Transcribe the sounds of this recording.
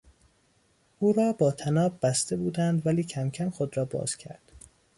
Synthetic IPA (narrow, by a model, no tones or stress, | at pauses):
ʔuːɾɒːbɒːt̪ʰænɒːbːæst̪e̞buːd̪ænd̪væliːcʰæmcʰæmxod̪ɾɒːbɒ̰ːz̥cʰæ̰ɾd̪̥